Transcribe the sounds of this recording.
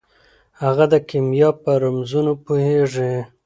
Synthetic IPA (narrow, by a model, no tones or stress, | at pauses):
haɣad̪əkimjɑpəɾamzunopoheʐi